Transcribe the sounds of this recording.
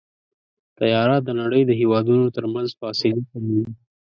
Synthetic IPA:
t̪ajɑɾɑt̪̚d̪ənaɽəjd̪əɦewɑd̪unot̪əɾmanzfɑsɪlikamiwi

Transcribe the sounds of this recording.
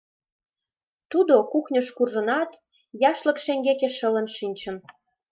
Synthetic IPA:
t̪ud̪okuxnʲəʃkurʒə̆nɑt̪ | jɑʃlə̆kʃeŋɡekeʃələ̆nʃinʲt͡ɕə̆n

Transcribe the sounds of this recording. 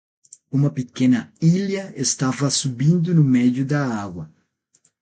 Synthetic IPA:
umɐpekẽnɐiljɐest̪avɐsubĩnd̪ʊnʊmɛd̪jʊd̪ɐaɡwɐ

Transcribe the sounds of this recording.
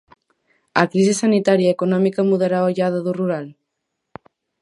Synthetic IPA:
akɾizesanit̪aɾjaekonɔmikamuð̞eɾaoʎað̞aðuruɾal

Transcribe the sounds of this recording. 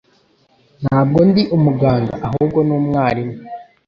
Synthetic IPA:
n̥haːb̚ɡo̞ndiʔumuɡaːŋɡa̰ʔaɦuːb̚ɡo̞nuːmŋaːɾime

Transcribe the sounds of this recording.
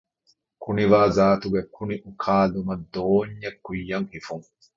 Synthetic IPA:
kʰʊnɪwaːzaːt̪ʊɡɐkʰʊnɪʔʊkʰaːlʊmɐd̪oːɲːɛkːʊjːɐŋhɪfʊŋ

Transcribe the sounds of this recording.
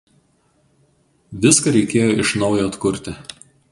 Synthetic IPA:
ʋʲɪskɐɾʲɛɪkʲeːjoːʔɪʃnɒʊjoːɐt̪kʊɾʲt̪ʲɪ

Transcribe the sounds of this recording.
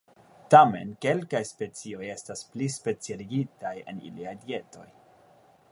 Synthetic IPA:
tame̞̰nke̞lkajspe̞t͡sio̞je̞stasplispe̞t͡sialiɡitaje̞̰nḭliajdie̞to̞̰j

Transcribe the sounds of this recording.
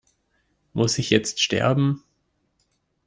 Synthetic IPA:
mʔʊsɪçjɛt͡stʃtɛ̰ɐbm̩

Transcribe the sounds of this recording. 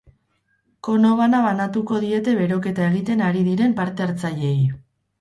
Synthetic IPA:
ko̞no̞βanaβanat̪uko̞ðie̞t̪e̞βe̞ɾo̞ke̞t̪ae̞ɣit̪e̞naɾiðiɾe̞mpaɾt̪e̞aɾt͡saʎe̞j

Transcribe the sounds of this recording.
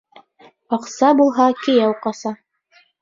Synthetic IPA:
ɑqsɑbulˠɦɑkɘ̆jæwqɑsɑ

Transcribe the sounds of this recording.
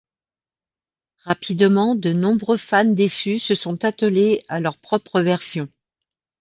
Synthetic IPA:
ʁapʰid̪mɑ̃d̪ənɔ̃bʁøfand̪esysəsɔ̃t̪at̪əlealœʁpχɔpχəvɛʁsjɔ̃

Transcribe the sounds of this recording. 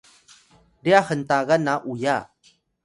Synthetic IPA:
diaxəntaɣanaʔuja

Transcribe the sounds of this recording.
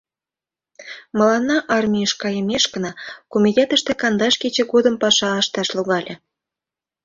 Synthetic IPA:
məlɑnːɑʔɑrmʲijəʃkɑjəmʲeʃkənɑkomʲit̪ʲet̪əʃt̪ekɑnd̪ɑʃket͡ɕĕɣod̪əmpɑʃɑɑʃt̪ɑʃluɣɑlʲʔe

